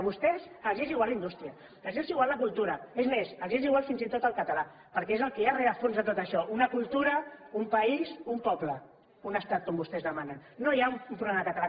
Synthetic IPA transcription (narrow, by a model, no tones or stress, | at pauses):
βust̪ɛzəzeziɣwaləind̪ust̪ɾiə̥ | əʒeziɣwalˠləkulˠt̪uɾəezmesəʒeziɣwalˠfinzit̪ot̪əlˠkət̪ala | pəɾkɛezəlˠkɛjareɾəfonzðət̪ot̪əʃɔʔunəkulˠt̪uɾəumpɐizumpɔplə | unəst̪at̪̚kɔmbust̪ɛzðəmanənːojaumumpɾuβlɛməðəkət̪ala